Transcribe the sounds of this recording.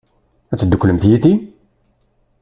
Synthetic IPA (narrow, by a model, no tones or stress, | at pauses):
æt͡sːəd̪ːəkʷːləmt̪jæt̪i